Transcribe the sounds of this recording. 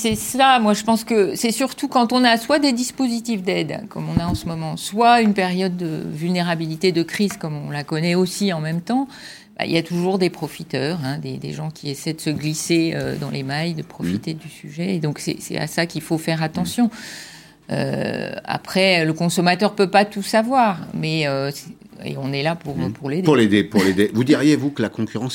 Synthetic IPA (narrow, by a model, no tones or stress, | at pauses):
sɛsamwaʒəpɑ̃skəsɛsyʁt̪ukɑ̃t̪ɔ̃naswad̪ed̪ispozit̪ifd̪ɛd̪kɔmɔ̃naɑ̃səmɔmɑ̃swaynpeʁjɔd̪ːə̰vylneʁabilit̪ed̪əkχizkɔmɔ̃lakɔnɛosiɑ̃mɛmt̪ɑ̃ | b̥a̰ḭljat̪uʒuʁd̪epχɔfit̪œːʁɛ̃d̪ḛd̪ḛʒɑ̃kʲiesɛjd̪əsəɡliseød̪ɑ̃lʔemajd̪əpχɔfit̪ed̪ysyʒɛed̪ɔ̃ksɛ̰sɛ̰t̪a̰sakʲilfofɛʁat̪ɑ̃sjɔ̃ | ø̰a̰pχɛləkɔ̃sɔmat̪œʁpøpat̪usavwaːʁmɛøsɛ | ḛɔ̃nɛlapuʁpʰuʁlepuʁled̪epuʁled̪evud̪iʁjevukəlakɔ̃kʲyʁɑ̃s